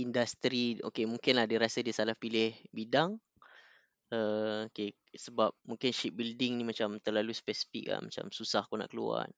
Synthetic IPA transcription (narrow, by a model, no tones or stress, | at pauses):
indast̪ɾio̰kemuŋkɪnlahdiɾasədiəsalahpilɪhbidaŋ | əoke | səbap̚mũŋkɪnʃip̚bildɪŋnĩmat͡ʃamt̪ərlaluspɛsi̥fḭk̚la̰mat͡ʃa̰msusahkona̰ʔkəlṵa̰n